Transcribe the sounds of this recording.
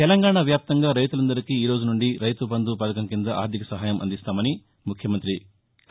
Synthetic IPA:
t̪ɛlɐŋɡaːɳaːʋjaːp̚t̪ɐŋɡaːɾɐjt̪ulɐnd̪ɐɾikiiːɾoːd͡ʒunuɳɖiɾɐjt̪upɐnd̪upɐd̪ɐkɐmkind̪ɐʔa̰ːɾd̪ʱikɐsɐɦaːjɐmʔɐ̰nd̪ist̪aːmɐni | mukʰjɐmɐnt̪ɾi

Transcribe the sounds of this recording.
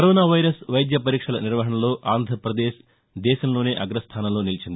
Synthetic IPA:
kɐɾoːnaːʋɐjɾɐsʋɐjd̪jɐpɐɾiːkʂɐlɐ̰niɾʋɐɦɐɳɐlo̞ːʔaːnd̪ʱɾɐpɾɐd̪eːʃ | d̪ɛːʃɐmlo̞ːneːʔɐɡɾɐst̪ʰaːnɐmlo̞ːnilit͡ʃind̪ii

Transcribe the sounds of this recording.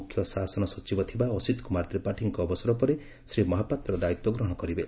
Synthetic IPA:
ukʰjɔsasɔnɔsɔt͡ʃibɔt̪ʰibaɔsid̪kumaɾt̪ɾipaʈʰiŋkɔːbɔsɔɾɔpɔɾe | sɾimɔɦapat̪ɾɔɾɔd̪ait̪wɔɡɾɔɦɔkɔɾibe

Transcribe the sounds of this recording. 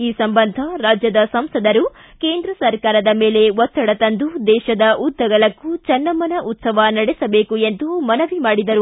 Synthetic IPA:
iːsɐmbɐnd̪ʱɐɾaːd͡ʒjɐd̪ɐsɐmsɐd̪ɐɾu | keːnd̪ɾɐsɐɾkaːɾɐd̪ɐmeːle̞ʋɔt̪ːɐɽɐt̪ɐnd̪ud̪ɛːʃɐd̪ɐʔud̪ʱːɐɡɐɭɐkːut͡ʃɐnːɐmɐnɐʔut̪sɐʋɐnɐɽesɐbe̞ːkue̞nd̪umɐnɐʋimaːɽid̪ɐɾu

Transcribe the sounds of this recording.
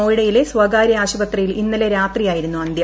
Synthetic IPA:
oːjiɽɐjileswɐɡaːɾjɐaːɕubɐt̪rɐjilinːɐleɾaːt̪rijaːjiɾunːuɐnd̪jɐ

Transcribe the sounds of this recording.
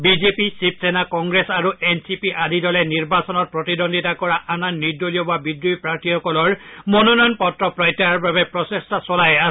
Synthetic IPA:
bizepisipʰsenakɔŋɡɹesaɹuʔensipiʔadidɔlɛniɹbasɔnɔt̚pɹɔtidondʱitakɔɹaʔananːidːolijɔbabidɹuipɹaɹtʰihɔkɔlɔɹmɔnɔnɔjnpɔtɹɔpɹɔjtːaɹbabɛpɹɔsestasɔlajas

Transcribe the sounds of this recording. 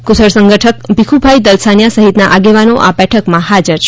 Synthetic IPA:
kʊsəɽsə̃ŋɡəʈʰək̚bikʰubʱajd̪əlsanjasəɦit̪naʔaɡeʋanoʔa̰bɛʈʰəkmãɦad͡ʒəɾt͡ʃʰ

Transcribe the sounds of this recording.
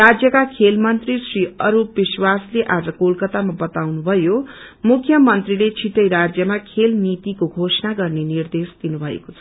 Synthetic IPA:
rad͡zjʌkakʰelmʌnt̪risriʌɾubiswasleʔad͡zʌkolkʌt̪amabʌt̪awnubʱʌjomukʰːjʌmʌnt̪rilet͡sʰiʈʌjɾad͡zjʌmakʰelnit̪ikoɡʱosnaɡʌrnenird̪esd̪̥inubʱʌḛkot͡sʰʌ̥

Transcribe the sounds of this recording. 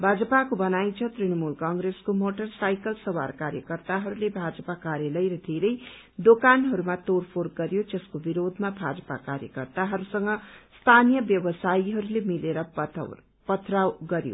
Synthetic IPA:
bʱad͡zʌpakobʌnajt͡sʰʌt̪rinʌmulkʌŋɡreskomoʈʌrsajkʌlsʌwa̰rkaɾjʌkʌrt̪aɦʌɾulebʱad͡zʌpakaɾjalʌjɾʌd̪ʱeɾʌj | d̪okanɦʌɾumat̪orpʰorɡʌɾjod͡zʌskobiɾod̪ʱmabʱad͡zʌpa̰kaɾjʌ̰kʌrt̪aɦʌɾusʌŋɡʌst̪ʰanijʌbjʌbʌsaiɦʌɾulemileɾʌ̰ | pʌt̪rawɡʌɾjo̰

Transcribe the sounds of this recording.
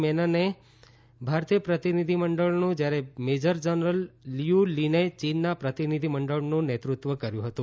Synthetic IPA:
mɛnəne | bʱaɾt̪ijəpɾət̪inid̪ʱiməɳɖəɭnũd͡ʒjaɾemed͡ʒəɾd͡ʒənɾəlːijulinet͡ʃinːapɾət̪inid̪ʱiməɳɖəɭnũnet̪ɾut̪ʋəkəɾjũɦət̪ũ

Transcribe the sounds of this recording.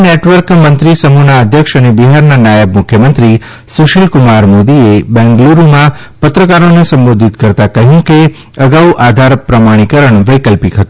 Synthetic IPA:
neʈʋəɾkmənt̪ɾisəmunaəd̪ʱjəkʃənebiɦaɾnanjajəbmʊkʰjəmənt̪ɾi | suʃilkumaɾmod̪iebɛ̃ŋɡluɾmã | pət̪ɾəkaɾonesə̃mbod̪ʱit̪kəɾt̪akəɦjũke | əɡauʔad̪ʱaɾpɾəmaɽ̃ikəɾəɳʋəjkəlpikɦət̪ũ

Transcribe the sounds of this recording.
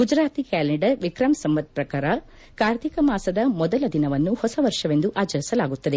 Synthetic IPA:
ɡud͡ʒɾaːt̪ikæːleɳɖɐɾʋikɾɐmsɐmʋɐt̪̚pɾɐkaːɾɐ | kaːɾt̪ʰikɐmaːsɐd̪ɐmɔd̪ɐlɐd̪inɐʋɐnːuhɔsɐʋɐɾʂɐʋe̞nd̪uʔaːt͡ʃɐɾisɐlaːɡut̪ːɐd̪e

